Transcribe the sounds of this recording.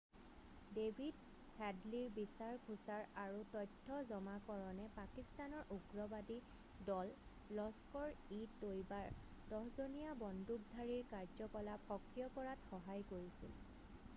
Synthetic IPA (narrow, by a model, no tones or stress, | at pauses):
debʱid | kʰɛdliɹbisaɹkʰusaɹaɹutɔjtʰːɔzɔmakɔɹɔnɛpakistanɔɹʔuɡɹɔbadi | dɔlː | ɔskɔɹitːojbaɹ | dɔɦzonijabɔndʱuk̚dʱaɹiɹkaɹzɔkɔlapxɔkɹijɔkɔɹatxɔɦajkoɹisḭl